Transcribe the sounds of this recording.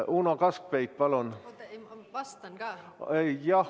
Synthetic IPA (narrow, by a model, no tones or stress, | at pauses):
uːnɑkɑsk̚pejk̚pɑlon | st̪ː | ejɑ